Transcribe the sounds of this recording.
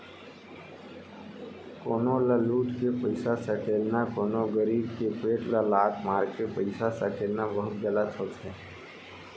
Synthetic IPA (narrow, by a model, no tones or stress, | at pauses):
koːnoləluːʈ̪kepəɪsasəkʰeːlnakoːnoɡəɾiːbkepeːʈləlaːtmaːɾkepəɪsasəkʰeːlnabəɦʊt̪ɡələt̪ɦoːt̪ɦɛː